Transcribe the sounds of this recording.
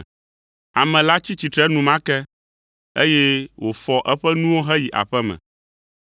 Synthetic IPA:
a˨mɛ̃˨la˦t͡ɕi˦t͡ɕi˨t̪ɾɛ˦nũ˦mã˦kɛ˦ | e˦jɛ˦wo˨fɔ˨˦ʔɛ˦ɸɛ˦nũ˦wo˦ɦɛ˦ji˨ʔa̰˨ɸɛ˦mɛ̰̃˨

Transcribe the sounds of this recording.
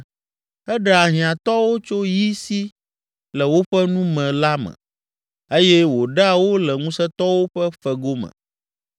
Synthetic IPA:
ɛ˦ɖɛ˦˨a˨ɦĩ˨ã˨t̪ɔ˦wo˦t͡ʃo˦ji˦si˦ | lɛ˨wo˦ɸɛ˦nũ˦mɛ̃˨la˦mɛ̰̃˨ | e˦jɛ˦wo˨ɖa˦˨wo˦lɛ˨ŋũ˦sɛ˦t̪ɔ˦wo˦ɸɛ˦ɸɛ˨ɡo˦mɛ̰̃˨

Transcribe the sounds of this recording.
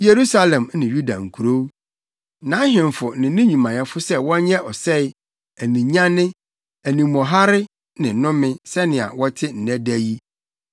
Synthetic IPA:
je˨ɾu˦sa˦lɛ̃˨mnɪ̃˨ju˦da̰˨ŋ̩˨kʰu˨ɾo˦w | nã˨˦ɦɪ̃˨m˨fʊ˨nɪ̃˨˦nĩ˦ɲĩ˨mã˨jɛ˦fʊ˦sɛ˦wɔ̃˦ɲɛ˦ʔɔ˨sɛ˦˨ɪ˦ | æ˨nĩ˨ɲã˦nɪ̃˦ | æ˨nĩ˨mɔ̃˨ɦa˦ɾɪ˦ | nɪ̃˨nʊ̃˦mɪ̃˦sɛ˦nɪ̃˨a̰˨wɔ˦tʰɪ˦n̩˨næ̃˦dæ˦ji˦

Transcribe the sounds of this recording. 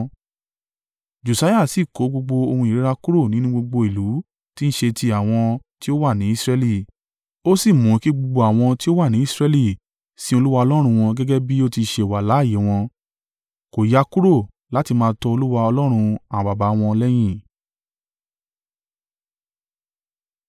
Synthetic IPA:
d͡ʒo˨sa˨˦ja˦˨si˨ko˨˦ɡ͡bo˧ɡ͡bo˧o˧hũ˧i˨ɾe˦ɾa˧ku˦ɾo˦˨nĩ˦nũ˦ɡ͡bo˧ɡ͡bo˧i˨lu˨˦ | ti˦ñ̩˦ʃe˧ti˧a˨w̃ɔ̃˧ti˦o˦wa˦˨nĩ˨˦i˦sɾɛ˧li˦˨ | o˦si˦˨mũ˨˧ki˦ɡ͡bo˧ɡ͡bo˧a˨w̃ɔ̃˧ti˦o˦wa˦˨nĩ˨˦i˦˨sɾɛ˧li˦˨ | sĩ˦o˧lu˦wa˧ɔ˧lɔ˦ɾ̃ũ˧w̃ɔ̃˧ɡɛ˦ɡɛ˦bi˦o˦ti˧ʃe˨wa˨laː˨˦˨je˨˦w̃ɔ̃˧ | ko˨ja˧ku˦ɾo˦˨ | la˦ti˧mãː˦˧tɔ˧o˧lu˦wa˧ɔ˧lɔ˦ɾ̃ũ˧ã˨ba˨ba˨˦w̃ɔ̃˧lɛ˦j̃ĩ˦˨

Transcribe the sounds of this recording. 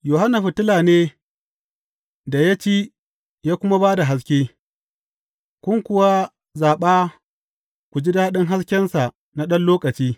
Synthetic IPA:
joː˨ɦa˦nːa˨ɸʊ˨tɪ˦laː˨neː˦ | da˨ja˦t͡ʃeː˦ | jaː˦kʷʊ˦ma˦baː˦da˨ɦa˦s̬kʲeː˦ | kʷʊ˦ŋkʷʊ˦wa˦ | zaː˨ɓaː˦ | kʷu˨d͡ʒi˦daː˦ɗɪ˦ŋɦa˦skʲɛ˦nsa˨ʔ | na˦ɗɐ˦nloː˦kʼɐ˨t͡ʃiː˦

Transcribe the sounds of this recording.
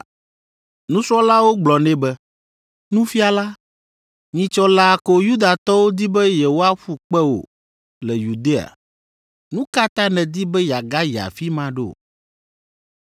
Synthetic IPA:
nũ˦sɾɔ˦la˦wo˦ɡ͡blɔ˨nɛ̃˦bɛ˦ | nũ˦fi˦a˨la˦ | ɲĩ˨t͡ʃɔ˦la˦˨ko˨ju˦d̪a˨t̪ɔ˦wo˦d̪i˦bɛ˦je˨wo˦a˦ɸu˦k͡pɛ˦wo̰˨ | lɛ˨ju˨d̪e˦a̰˨ | nũ˦ka˦t̪ã˦nɛ̃˨d̪i˦bɛ˦ja˨ɡa˦ja̰˨fi˦mã˦ɖe˦o̰˨

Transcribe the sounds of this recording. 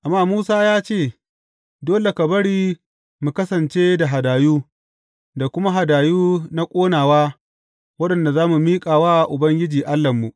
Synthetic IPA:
ʔa˨mːaː˦muː˦saː˦jaː˦t͡ʃeː˦˨ | doː˦le˨kɐ˨bɐ˦ɽiː˦ | mu˨kɐ˦sɐ˨nt͡ʃe˦da˨ɦa˨daː˨juː˦ | da˨kʷʊ˦ma˦ɦa˨daː˨juː˦na˦kʷʼoː˦naː˨waː˦ | wɐ˦ɗɐ˨nda˨zaː˦mu˨miː˦kʼaː˨waː˦˨ʔʊ˨bɐ˦ŋɡʲɪ˦d͡ʒiː˨ʔa˦lːɐ˨mːu˨ʔ

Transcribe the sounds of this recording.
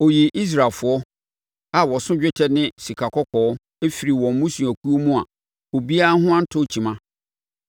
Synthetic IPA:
o˨ji˨ʔi˦s̬ɾa˨fʊ˨ɔ˦ | a˨wɔ˨sʊ̃˦d͡ʑᶣɪ˦tʰɛ˦nɪ̃˦si˨kʰa˨kʰɔ˦kʰɔ˨ɔ˦ | e˦fi˨ɾi˨wɔ̃˨m˦mũ˦sũ˨æ˨kʰu˦o˦mũ˦a̰˨ | o˨bi˦a˦a˦hʊ̃˦ã˦n̩˦tʰʊ˦˨t͡ɕʰi˨mã˦

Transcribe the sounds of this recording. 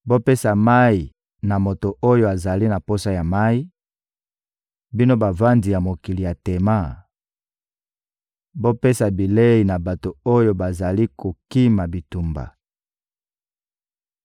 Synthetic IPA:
bo˦pe˦sa˨ma˦i˨ | na˨mo˨to˨ʔo˦jo˦a˨za˨li˦na˨po˦sa˦ja˨ma˦i˦ | bi˦no˦ba˨va˦ndi˨ja˨mo˨ki˨li˨ja˨te˨ma˦ | bo˦pe˦sa˨bi˨le˦i˨na˨ba˨to˨o˦jo˦ba˨za˨li˦ko˨ki˦ma˨bi˨tu˨mba̰˨

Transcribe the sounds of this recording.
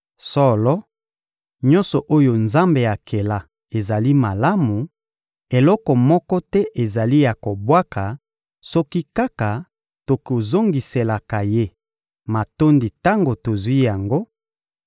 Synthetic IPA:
sɔ˦lɔ˦ | ɲɔ̃˦nsɔ˨ʔo˦jo˨nza˦mbe˨ja˨kʰe˨la˨ | e˨za˨li˦ma˨la˦mu˨ | e˨lɔ˦kɔ˨mɔ˦kɔ˦tɛ˦ʔe˨za˨li˦ja˨ko˨bwa˦ka˨ | sɔ˦ki˦ka˦ka˨ | to˨ko˨zo˦ŋɡi˨se˨la˨ka˨je˦ | ma˨to˦ndi˨ta˦ŋɡo˨to˨zwi˦ja˨ŋɡo˦

